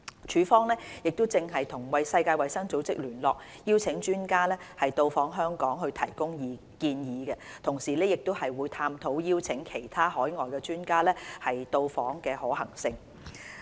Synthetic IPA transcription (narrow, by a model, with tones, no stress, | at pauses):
t͡ʃʰyː˨˧˥fɔː˥ŋlɛː˥jɪ˨k̚t̪o˥wt͡sɪ˧ŋɦɐ˨jt̪ʰʊ˨˩ŋwɐ˨jsɐ˧jkaː˧jwɐ˨˧jsɐ˥ŋt͡so˨˥wt͡sɪ̰˥k̚lyː˨˩nlɔː˨k̚jiː˥wt͡sʰɪ˨˥ŋt͡ʃyː˥nkaː˥lɛː˥hɐ˨jt̪o˧wfɔː˨˥ŋɦœː˥ŋkɔː˨˥ŋɦɵ˧ɥt̪ʰɐ˨˩jkʊ˥ŋjiː˨˧ | kiː˧njiː˨˧ɡɛ˧t̪ʰʊ˨˩ŋsiː˨˩lɛː˥jɪ˨k̚t̪o˥whɐ˨jwuː˨˧jt̪ʰaː˧mt̪ʰo˨˥wjiː˥wt͡sʰɪ˨˥ŋkʰe˨˩jt̪ʰaː˥hɔː˨˥jŋɔː˨jkɛː˧t͡ʃyː˥nkaː˥lɛː˥hɐ˨jt̪o˧wfɔː˨˥ŋkɛː˧hɔː˨˥hɐ˨˩ŋsɪ˧ŋ